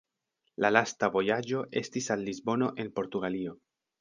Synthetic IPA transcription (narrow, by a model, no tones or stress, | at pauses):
lalastavo̞jad͡ʒo̞ʔe̞stisalːizbo̞no̞ʔe̞npo̞ɾtuɡalio̞